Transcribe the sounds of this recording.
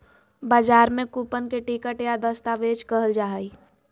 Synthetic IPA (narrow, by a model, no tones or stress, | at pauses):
baːd͡ʒaːɾmẽkuːpənkeʈikəʈjad̪əst̪aʋeːt͡ʃkəɦəld͡ʒaːɦi